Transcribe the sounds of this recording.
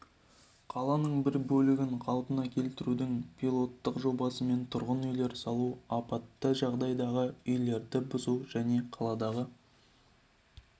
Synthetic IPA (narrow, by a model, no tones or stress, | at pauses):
qʰɑlˠɑnəɴbɪɾbɵlɪɡʲɪɴqʰɑlˠpənɑkʲʰe̞lt̪ɪɾud̪ɪŋpʰilˠo̞t̪ːəqʒo̞bɑsəme̞nt̪ʰʊɾʁənʏjle̞ɾsɑlˠuɑpɑt̪ːəʒɑʁd̪ɑjd̪ɑʁəʏjle̞ɾd̪ɪbʊzuʒæne̞qʰɑlˠɑd̪ɑʁə